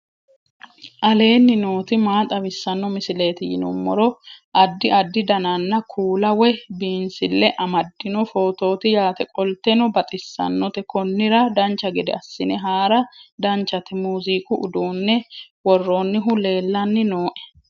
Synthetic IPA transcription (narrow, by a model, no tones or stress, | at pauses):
ʔɐle̞ːnːɪno̞ːt̪ɪmaːt̪ʼɐβɪsːɐnːɔmɪsɪle̞ːt̪ɪjɪ̰nʊ̰mːɔ̰ɾɔʔɐd̪ːɪɐd̪ːɪd̪ɐnanːɐkʰuːlɐwɛbiːnsɪlːɛʔɐmɐd̪ːɪnɔfo̞ːt̪o̞ːt̪ɪjaːt̪ɛkʼɔlt̪ɛnɔbɐt̪ʼɪsːɐ̰nːɔt̪ɛkɔnːɪɾɐd̪ɐnt͡ʃːɐɡɛd̪ɛ̰ɐsːɪnɛɦaːɾɐd̪ɐnt͡ʃːɐt̪ɪmuːziːkʊʔʊ̰d̪uːnːɛwɔrːo̞ːnːɪɦʊle̞ːlːɐnːɪnoːʔɛ̥